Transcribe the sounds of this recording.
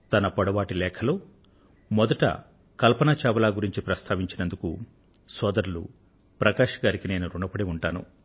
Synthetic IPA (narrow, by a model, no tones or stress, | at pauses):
t̪ɐnɐpɐɽɐʋaːʈilɛːkʰɐloː | mɔd̪ɐʈɐ̰ | kɐlpɐnat͡ʃɛːʋɐlaːɡuɾiɲt͡ʃipɾɐst̪ʰaːʋiɲt͡ʃinɐnd̪uku | sɔːd̪ɐɾulṵ | pɾɐkaːʂɐ̥ɡaːɾikine̞ːnuɾuɳɐpɐɽiuɳʈaːnṵ